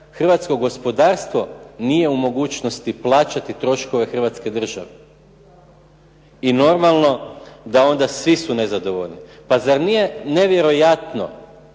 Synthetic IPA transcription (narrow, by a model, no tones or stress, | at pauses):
xr̩ʋat̪sko̞ɡo̞spo̞d̪aːɾst̪ʋo̞nije̞umo̞ɡuːt͡ʃno̞st̪iplˠaːt͡ʃat̪it̪ɾo̞ʃko̞ʋe̞xr̩ʋat̪ske̞d̪r̩ʒa̰ʋe | ino̞ɾmalˠno̞d̪ao̞nd̪asʋisune̞zad̪o̞ʋo̞ʎnipazaɾnijene̞ʋje̞ɾo̞jat̪no̞̰